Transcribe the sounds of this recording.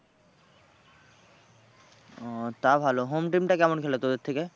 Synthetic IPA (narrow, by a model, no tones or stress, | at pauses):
t̪abʱaloɦoːmʈiːmʈakamuɳkʰelat̪od̪et̪ʰːike